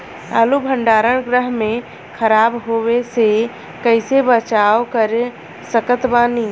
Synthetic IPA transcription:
ə̰lubʱə̃ɳɖaːɾəɽ̃ɡɾəɦmẽ | kʰəɾaːbɦowese | kəɪsebət͡ʃaːokəɾ | səkət̪baːni

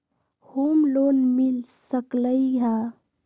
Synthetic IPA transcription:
hoːmloːnmilsəkləiɦa

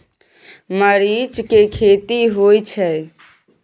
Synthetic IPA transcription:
məɾid͡ʒkekʰet̪iɦojt͡ʃʰɛ

